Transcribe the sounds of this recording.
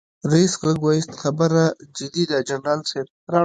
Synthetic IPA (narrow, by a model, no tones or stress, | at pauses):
ɾaisɣləɡwɑjist̪xabəɾad͡ʒɪd̪id̪ad͡ʒanɾɑlseb̚ | ɾɑ